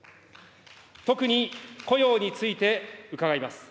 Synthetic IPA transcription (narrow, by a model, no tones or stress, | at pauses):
t̪o̞kɯ̟ɲ̟iko̞jo̞ːɲ̟it͡sɨit̪e̞ɯ̟kaɡaimasɨ̥